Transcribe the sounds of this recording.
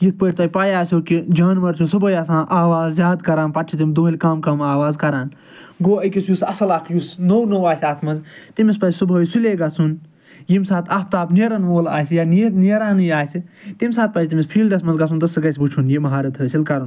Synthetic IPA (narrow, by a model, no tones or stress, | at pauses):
jit̪̚ʰpəʈʲt̪ɐjʲpaːjaːsʲoːkid͡ʒaːnʋɐɾt͡ʃʰusɨbʱɐːjɐsãːʔaːʋaːzzʲjaːd̪kɐɾaːnpɐʈʰit̪imd̪oːilʲkaːmkɐmaːʋaːzkɐɾaːn | ɡoːɐkʲisjusɐsɐlakʰjusnownowaːsʲaːt̪ʰmɐnzt̪imispɐzʲsɨbʱɐːjsuleːɡɐsun | jimsaːt̪ʰɐp̚ʰt̪aːpneɾɐnʋoːla̰ːsʲjaːniniɾaːnɨjaːsʲit̪imʲsaːt̪̚pɐt͡ʃt̪imʲispʰiːlɖɐsmɐnzɡɐsʰunt̪ɐsɨɡɐsʲbut͡ʃʰunjimɐɦaːɾɐt̪ʰɨːsilkɐɾɐn